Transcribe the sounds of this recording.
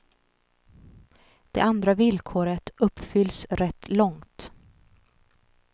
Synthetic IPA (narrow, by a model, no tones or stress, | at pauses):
d̪̥ɛ̰and̪ɾavɪlkʰoːɾət̪ɵpːfʏlsɾɛt̪ʰːlɔŋt̪